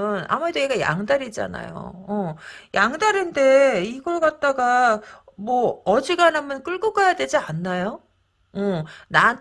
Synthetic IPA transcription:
ɯna̰muedojeɡaja̰ŋdaɾid͡ʑa̰na̰jo̰ʌjaŋdaɾinde̞iɡʌɭkat̚t͈aɡamwʌʌd͡ʑiɡanɦamjʌnk͈ɯɭɡuɡajadwe̞d͡ʑianːajo | ʌnan

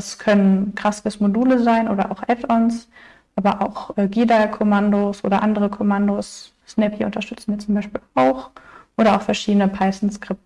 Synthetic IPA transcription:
askʰœnənkʁ̥asɡəsmoduːləzaɪnʔoːdɐʔa̰ʊxʔɛtɔns | ʔaːbɐʔaʊxʔɛːɡiːdakʰomandoːsʔo̰ːdɐʔandəʁəkʰɔmandoːsː | nɛpʰiʔʊ̰ntɐʃtʏt͡sn̩viːɐt͡sʊmbaɪʃpiːlaʊxʔoːɾɐaʊxfɛɐʃiːdənəpʰaɪsn̩skʁ̥ɪp̚t

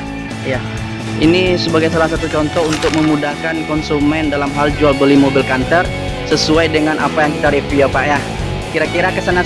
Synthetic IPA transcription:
ja | inisəbaɡajsalahsat̪ut͡ʃɔnt̪ɔunt̪ʊk̚məmudahkankɔnsumɛndalamɦald͡ʒualbəlimobɪlkant̪ər | səsuajdəŋanʔapajaŋkit̪aɾifiapaʔja | kiɾakiɾakəsana

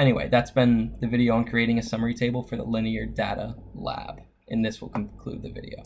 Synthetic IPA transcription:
ɛñiwḛɪðætsb̥ɨ̃nðɨvɪɾioʊə̃nkʰɹ̥ieɪɾɪ̃ŋɨsʌmə˞itʰeɪbl̩ˠfə˞ðə̰lɪ̃niə˞deɾəlæ̰b̥ | ʔɨ̃nðɪswə̰l̩ˠkʰn̩kʰl̥ʉ̰d̪̚ðɨvɪ̰ɾḭoʊ

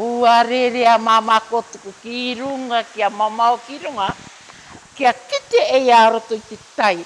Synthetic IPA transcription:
uaɾeɾeamamako̞tokokiɾuŋakiamamaokiɾoŋa | kiakite̞ejaːɾo̞toitetaj

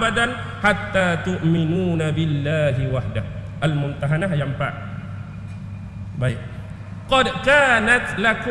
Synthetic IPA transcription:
bad̪an | ħat̪ːaːt̪ʊʔmɪnuːnabɪlːaːɦiwaħdah | ʔalmʊnt̪aɦanaɦjampa̰ʔ | baɪʔ̚ | qɔdkaːnat̪lakʊ

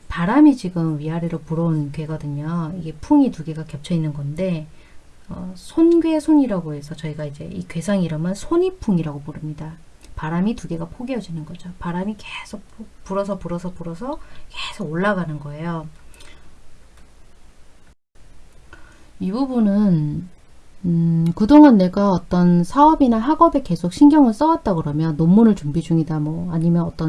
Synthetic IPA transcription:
paɾamit͡ɕiɡɯmɥiaɾiɾopuɾʌnɡe̞ɡʌdɯɲoiɡe̞pʰuŋituɡe̞ɡakjʌp̚t͡ɕʰʌinːɯnɡʌnde̞ | ʌsʰonɡesʰoɲiɾaɡoɦe̞sʰʌt͡ɕʌiɡaid͡ʑe̞ḭkɥe̞sʰaŋiɾʌmɯsʰoɲipʰuŋiɾaɡopoɾɯmɲida | paɾamituɡe̞ɡapʰoɡiɦʌd͡ʑinɯnɡʌd͡ʑopaɾamikesʰok̚pʰopuɾʌs̬ʰʌpuɾʌsʰʌpuɾʌs̬ʰʌkesʰoɡoɭːaɡanɯnɡʌe̞jo | ibubunɯn | ɯkɯdoŋanːe̞ɡaʌt͈ʌnsʰaʌbinaɦaɡʌbe̞ke̞sʰok̚ɕ͈ʰinɡjʌŋɯɭs͈ʌwat̚t͈aɡɯɾʌmjʌnːomːunɯɭt͡ɕuŋbid͡ʑuŋidamʌaɲimjʌnʌt͈ʌn

